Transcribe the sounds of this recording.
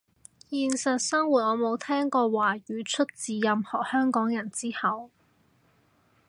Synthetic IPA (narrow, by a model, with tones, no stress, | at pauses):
jiː˧nsɐ˨t̚sɐ˥ŋwuː˨˩t̚ŋɔː˨˧mo˨˧wt̪ʰɛː˥ŋkɔː˧waː˨˩jyː˨˥t͡ʃʰɵ˥t̚t͡siː˨˧jɐ˨mhɔː˨˩k̚hœː˥ŋkɔː˨˥ŋjɐ˨˩nt͡siː˥hɐ˨˧w